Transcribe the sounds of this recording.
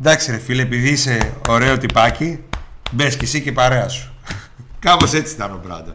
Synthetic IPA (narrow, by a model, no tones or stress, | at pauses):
d̪ɐksiɾefilepiðiise̞o̞ɾe̞o̞t̪ipɐcibescesicepɐɾeɐsu̥ | kɐpo̞se̞t͡si̥t̪ɐnobɾɐ̰d̪ɐ